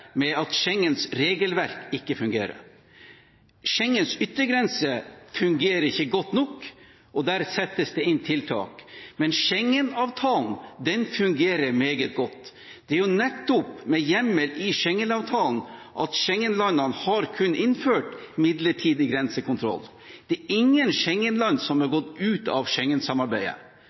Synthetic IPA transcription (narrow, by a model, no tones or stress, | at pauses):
mɛɑt̪ʃɛŋːənsɾeːɡəlʋæɾkɪkːəfʉŋɡḛːɾə̰ɾ | ʂɛŋːənsʏt̪ːəɡɾɛnsəfʉŋɡeːɾəɾɪçːəɡɔt̪ːnɔkː | ɔd̪æːɾsɛt̪ːəsd̪ɛɪnt̪ʰɪlt̪ʰɑ̰ːkmɛnʃɛŋːənɑːʋt̪ʰɑːlnd̪ɛnfʉŋɡeːɾəɾmeːɡət̪̚ɡɔt̪ː | d̪̥ɛæɾjʊnɛt̪ːʊpmɛjɛmːəlɪʂɛŋːənɑːʋt̪ʰɑːln̩ʔɑt̪ʃɛŋːənlɑnːɑnhɑɾkʰʉnːəʔɪnføːʈmɪd̪ləʈʰiːd̪əɡɾɛnsəkʊnt̪ʰɾɔ̰l | d̪̥ɛæɪŋːənʃɛŋːənlɑnsɔmhɑɾɡɔt̪ːʉːt̪ɑ̰ʋʃɛŋːənsɑmɑɾbæɪə̰